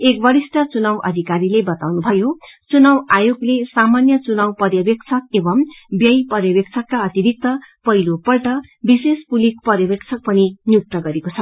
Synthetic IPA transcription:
ek̚bʌɾisʈʌt͡sunawʔʌ̰d̪ʱikaɾilebʌt̪awnubʱʌjot͡sunawajoɡlesamanjʌt͡sunawpʌrjʌbek̚t͡sʰʌkebʌmbjʌjpʌrjʌbek̚t͡sʰʌkːaʌt̪iɾik̚t̪ʌpʌɦilopʌlʈʌ | bisespulik̚pʌrjʌbekt͡sʰʌk̚pʌninjuk̚t̪ʌɡʌɾekot͡sʰʌ

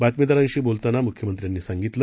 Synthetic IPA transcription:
bat̪mid̪aɾãnɕiːbolt̪anamukʰjəmənt̪ɾjanːiːsaŋɡit̪lə

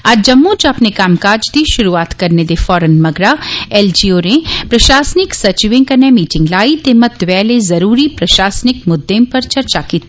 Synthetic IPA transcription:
aːd͡ʒd͡ʒɐmːõt͡ʃɐpnekaːmkaːd͡ʒd̪iʃʊɾuaːt̪kɐɾned̪efɔːɾənmɐɡɾaɛːld͡ʒiːoːɾẽpɾɐʃaːsnɪksɐt͡ʃʋɪ̃ŋkɐnemiːʈɪ̃ŋɡlaːit̪emɐt̪ʋɛːlezɐɾuːɾipɾɐʃaːsnɪkmʊd̪ːẽmpɐɾt͡ʃɐɾt͡ʃakiːt̪i

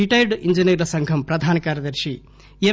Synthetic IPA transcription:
iʈɐjɾɖiɲd͡ʒiniɡɾɐsɐŋɡʱɐmpɾɐd̪ʱaːnɐkaːɾjɐd̪ɐɾʂi | e

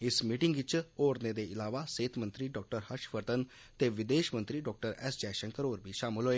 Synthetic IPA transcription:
ɪsmiːʈɪŋɡʋɪt͡ʃoːɾned̪eɪlaːʋaseːt̪ʰmə̃nt̪ɾiɖɔːk̚ʈəɾhəʃpəɾt̪ən | t̪eʋɪd̪eːʃmə̃nt̪ɾiɖɔːk̚ʈəɾɛ̰ːsd͡ʒɛːʃə̃ŋkəɾoːɾbʱiʃaːmɪlɦoeː

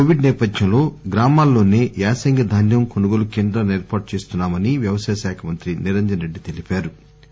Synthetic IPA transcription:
koʋiɖnɛːpɐd̪ʱjɐmlo̞ːɡɾaːmaːlːo̞ːne̞ːaːsɐŋɡɐd̪ʱɐnjɐmkonuɡolukeːnd̪ɾɐneːɾpaːʈ̚t͡ʃe̞ːst̪unːaːmɐniʋjɐʋɐsɐːjɐʃaːkʰɐmɐnt̪ɾiniɾeɲd̪ɾɐnɾe̞ɖːit̪elipaːɾu

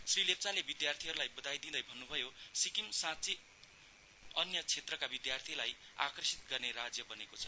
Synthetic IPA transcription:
srilep̚t͡salebid̪jart̪ʰiɦʌɾulajbʌd̪ajd̪ĩd̪ʌjbʱʌnːubʱʌjosikimsãt͡si | ʌnjʌt͡sʰet̪rʌkabid̪jart̪ʰilaja̰krʌsit̪̚ɡʌrneɾad͡zjʌbʌnekot͡sʰʌ̥

